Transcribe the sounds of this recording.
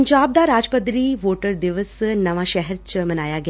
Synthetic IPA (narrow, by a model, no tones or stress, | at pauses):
ɲd͡ʒaːb̚d̪aɾaːd͡ʒpəd̪ɾiːʋoːʈəɾd̪ɪʋəsnɐʋaʃɛɦɛɾt͡ʃmɐnaːjaɡɐ